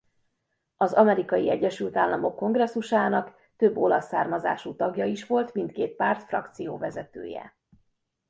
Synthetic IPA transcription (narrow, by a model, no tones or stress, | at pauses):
ɒzɒmɛɾikɒjiɛɟːɛʃylt̪aːlːɒmo̞kːo̞ŋɡrɛsːuʃaːnɒk | t̪ø̞bːo̞lɒsːaːrmɒza̰ːʃut̪ɒɡjɒiʃʋo̞lt̪mint̪̚keːt̪̚paːrt̪frɒ̰kt̪sijoːvɛzɛt̪ø̰ːjɛ̰